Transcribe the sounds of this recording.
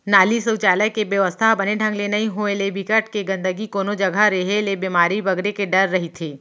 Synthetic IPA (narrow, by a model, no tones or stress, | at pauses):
naːlisɐwt͡ʃaːləjkebjəʋəst̪ʰabɐneɖʱɐ̃ŋɡlenɐɦĩɦoelebʱɪkəʈkeɡɐ̃nd̪əɡikoːnod͡ʒɐɡʱaɾeɦelebiːmaːɾibɐɡɾekeɖɐɾːɐɦit̪ʰeː